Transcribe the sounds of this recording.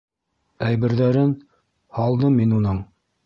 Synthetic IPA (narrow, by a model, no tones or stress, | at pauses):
æjβɘ̆ɾðæɾɘn | hɑlˠd̪ɤmːinunɤɴ